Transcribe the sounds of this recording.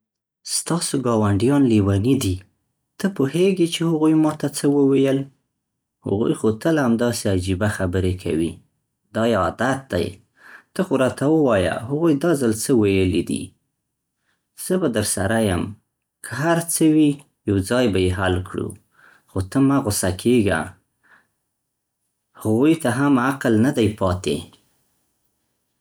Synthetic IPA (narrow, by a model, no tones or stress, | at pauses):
st̪ɑsoɡɑwaɳɖijɑnliwɑnid̪i | t̪əpoheɡet͡ʃehaɣujmɑt̪at͡səwəwejəl | ha̰ɣṵjxot̪əlhamd̪ɑsead͡ʒibaxabəɾekʰa̰wḭ | d̪ɑjeɑd̪at̪̚d̪a̰j | t̪əxoɾɑt̪ʰawəwɑja̰ɦaɣujd̪ɑzəlt͡səwajəlid̪ḭ | z̥əbad̪əɾsaɾajəm | kʰəɦaɾt͡səwi | jawd͡zɑjbajeɦalkɽṵ | xot̪əmaɣʊsakʰeɡa̰ | haɣujt̪aɦamaqlnad̪ajpɑt̪ḛ